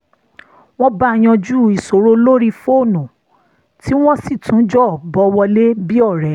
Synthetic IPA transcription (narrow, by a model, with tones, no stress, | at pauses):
w̃ɔ̃˦ba˦˧j̃ɔ̃˧d͡ʒu˦i˨so˨ɾo˦lo˦ɾi˦fo˦˨nũ˨ | ti˦w̃ɔ̃˦si˦˨tũ˨˦d͡ʒɔ˦˨bɔ˧wɔ˧le˦bi˦ɔ˦˨ɾɛ˨˦